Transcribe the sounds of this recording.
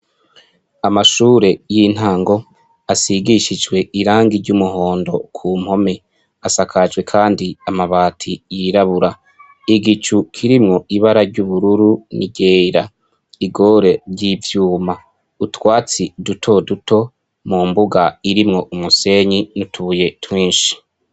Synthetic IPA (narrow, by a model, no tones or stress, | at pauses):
amaʃuːɾe̞jin̥haːŋɡo̞ | asiɡiʃid͡ʒwe̞iɾaːŋɡiɾɟumuɦo̞ːndo̞kʰum̥ho̞me̞ | asakʰad͡ʒɡwe̞kʰaːndiamaβaːtʰijiɾaβuɾa | iɡit͡ʃukʰiɾimŋo̞ʔiβaɾaɾɟuβuɾuɾunḭɟeːɾa | iɡo̞ɾe̞ɾɟivjuːma | utwaːt͡sidutʰo̞dutʰo̞ | muːmbuɡaiɾimŋo̞umuse̞ɲinutʰuje̞twiːnʃi̥